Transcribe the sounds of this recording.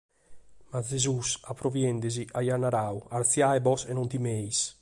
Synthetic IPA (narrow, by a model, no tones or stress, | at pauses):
mazezusapɾovjɛnd̪eziʔajanaɾawaɾt̪sjaɛbɔsenɔnt̪imejs